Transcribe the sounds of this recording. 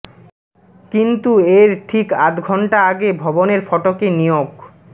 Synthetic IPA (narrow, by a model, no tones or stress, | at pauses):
kint̪ueɾʈʰikat̪ɡʱɔɳʈaaɡebʱɔboneɾfɔʈokenijoɡ